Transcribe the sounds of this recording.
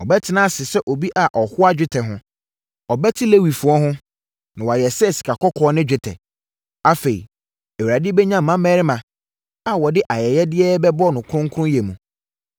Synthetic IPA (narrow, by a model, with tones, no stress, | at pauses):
ɔ˨bɛ˦tʰɪ˨nã˦˨sɪ˨sɛ˦ʔo˨bi˦ʔa˨ʔɔ˨hʊ˦a˦d͡ʑᶣɪ˦tʰɛ˨ɦʊ̃˦ | ɔ˨bɛ˦tʰɪ˦le˦wi˨fʊ˨ɔ˦ɦʊ̃˦ | nã˨wɔ˨a˨jɛ˨sɛ˦˨si̥˨kʰa˨kʰɔ˦kʰɔ˨˦nɪ̃˦d͡ʑᶣɪ˦tʰɛ̰˨ | a˦fe˨ḭ˨ | e˨wu˨ɾa˨dɪ˦bɛ˦ɲã˦m̩˨mã˦mɛː˦ɾɪ˦mã˨ | a˨wɔ˨dɪ˦ʔa˨jɛ˨jɛ˦dɪ˦ɛ˦bɛ˦bɔ˦nʊ̃˨kʰʊ̃˦ŋ˦kʰʊ˦ɾʊ̃˦jɛ˨mũ˨